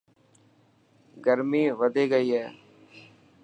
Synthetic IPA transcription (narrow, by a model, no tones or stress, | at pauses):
ɡəɾmiːʋəd̪ʱeːɡəiːɦɛː